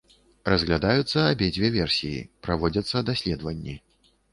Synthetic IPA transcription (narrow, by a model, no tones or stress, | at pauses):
rɐzɣlʲad̪ajut̪sːɐːbʲɛd͡zʲvʲɛvʲɛrsʲijḭpɾavɔd͡zʲɐt̪sːɐd̪asʲlʲɛd̪vɐnʲːi